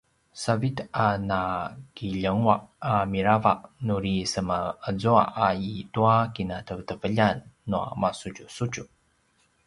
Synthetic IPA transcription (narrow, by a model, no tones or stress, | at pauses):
savitanakiʎəŋwaʔamiɾavaʔnuɾisəməəzua̰ʔaituakinatəvətəvəʎanːua̰masud͡ʒusut͡ʃu